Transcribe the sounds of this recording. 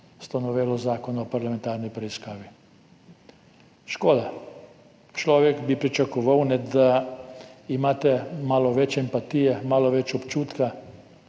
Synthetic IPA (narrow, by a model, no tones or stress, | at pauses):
st̪anɔʋeːlɔzaːkɔnɔpaɾlamẽnt̪aːɾnipɾɛiskaːʋi | ʃkoːd̪a | t͡ʃlɔːʋjɛkbipɾit͡ʃakɔʋawnɛd̪a | imaːt̪ɛmaːlɔʋɛt͡ʃɛmpat̪ijɛmaːlɔʋɛt͡ʃɔpt͡ʃuːt̪ka